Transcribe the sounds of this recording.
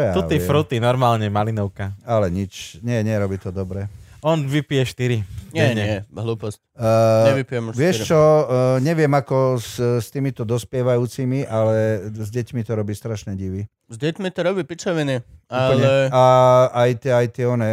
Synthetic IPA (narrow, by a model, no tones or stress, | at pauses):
jauiɛfɾut̪inɔɾmaːlɲɛmalinɔʊkaalɛɲit͡ʃɲɛɲɛɾɔbiːt̪ɔd̪ɔbɾɛɔnʋipijɛʃt̪iɾiɲɛɲɛɛɦlˠuːpɔscːɛʋipiɛmʋɪɛʃt͡ʃɔɲɛʋɪɛmakɔsst̪iːmit̪ɔd̪ɔspɪɛʋajuːt͡simiʔalɛzɟɛcmit̪ɔɾɔbiːst̪ɾaʃnɛɟiʋi | zɟɛcmit̪ɔɾɔbiːpit͡sɔʋɛnɛualɲɛaajt̪ɛajt̪ɪɛɔnɛ